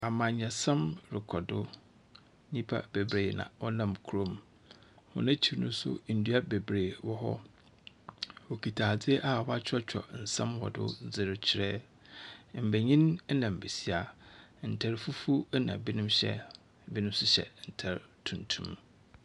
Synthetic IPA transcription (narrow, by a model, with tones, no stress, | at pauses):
a˨mã˨ɲã˨sã˦mɾɪ˨kʰɔ˨dʊ˦ | ɲĩ˦pʰa̰˦be˨bɾeː˨nã̰˨wɔ˦nã˦˨mkʰu˦ɾõ˦m | hʊ̰˦nã˦t͡ɕʰi˨ɾnʊ̃˦sʊ̰˦˨n̩˨du˦a˦be˨bɾeː˨wɔ˦ɦɔ̰˦ | wo˨kʰi˨tʰaː˨d͡zɪ˦ʔa˦˨wɔ˦a˦t͡ɕᶣʰɔ˦t͡ɕʰᶣɔ̰˨n̩˨sã̰˦mwɔ̰˨dʊ̰˦d͡zɪ˨ɾɪ˨˦t͡ɕʰɪ˨ɾɛ˦ | m̩˨be˨ɲĩ˦n˦nã˨m̩˨be˨si˦a˨n̩˨tʰɛ˨ɾfu˦fu˦nã̰˨bi˦nʊ̃˦mɕɛ̰˦˨ | bi˦nʊ̃˦m˦sʊ˦ɕɛ̰˨n̩˨tʰɛ˨ɾtʰũ˨ntʰṵ̃˦m